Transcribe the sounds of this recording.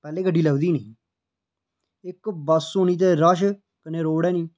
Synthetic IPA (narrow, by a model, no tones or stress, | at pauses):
pɛːleːkəɖʱiːləʋd̪iːnə̃ː | ɪkbəsoːniːt̪̬eːɾaʃ̬ | kəneːɾoːɽɛːnĩː